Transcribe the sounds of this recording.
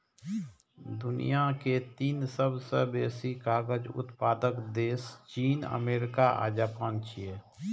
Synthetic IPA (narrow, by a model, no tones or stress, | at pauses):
d̪ʊnḭjaket̪iːnsəbsəbeːsikaːɡəd͡ʒʊ̰t̪paːd̪əkd̪eːst͡ʃiːnə̰meːɾɪkaʔa̰ːd͡ʒaːpãːnt͡ʃʰieː